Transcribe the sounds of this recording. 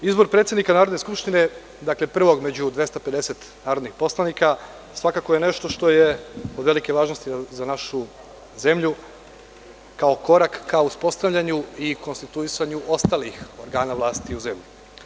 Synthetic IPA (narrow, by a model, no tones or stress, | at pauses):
izbo̞ɾpɾet̪sed̪nikanaːɾod̪ne̞skupʃt̪ine̞ | d̪aklepr̩ʋo̞ɡme̞d͡ʑud̪ʋje̞st̪ape̞d̪e̞se̞t̪ | naːɾo̞d̪nixpo̞slˠanika | sʋakako̞jene̞ʃt̪o̞ʃt̪o̞jeo̞d̪ʋe̞like̞ʋaːʒnost̪izanaʃu | ze̞mʎu | kaoko̞ɾakːauspo̞st̪aʋʎaɲuiko̞nst̪it̪uisaɲuʔo̞st̪alixo̞ɾɡaːnaʋlˠaːst̪iuze̞mʎi